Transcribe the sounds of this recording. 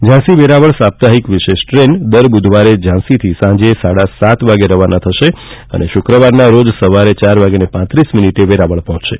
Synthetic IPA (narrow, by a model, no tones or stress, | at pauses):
d͡ʒãsiʋeɾaʋəɭsap̚t̪aɦikʋiʃeʃʈɾend̪əɾbud̪ʱʋaɾed͡ʒãsit̪ʰisãd͡ʒesaɽasat̪ʋaɡeɾəʋanat̪ʰəʃeə̰neʃʊkɾəʋaɾnaɾod͡ʒsəʋaɾet͡ʃaɾʋaɡenepãt̪ɾisminiʈeʋeɾaʋəɭpɔɦɔ̃t͡ʃʃe